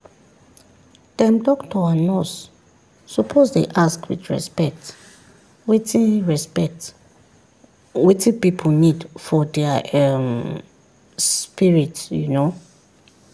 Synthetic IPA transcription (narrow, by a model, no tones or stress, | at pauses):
d̥ɛ̃mdɔktʰɔanɔsː | upʰozdeʔaskwḭdɹɛ̰spɛk̚t | wetĩnɹɛspɛkt | wetʰĩpipʰonidfɔdɛaɛm | spiɹitjuno